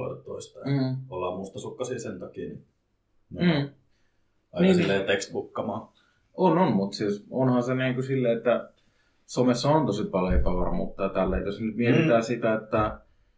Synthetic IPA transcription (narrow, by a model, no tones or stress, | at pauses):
lḛt̪to̰ist̪ɑɑlːɑmuːst̪ɑsukːɑsiːsent̪ɑkini | ne | ɑjnislːeːt̪ekst̪bukːɑmɑː | ononmut̪sisonhɑnseniːŋkusilːeet̪ːæ | somesːɑont̪osipɑlempɑʋɑ̰rmṵt̪ːɑt̪ælːḛit̪osnyt̪mielit̪æsit̪æet̪ːæ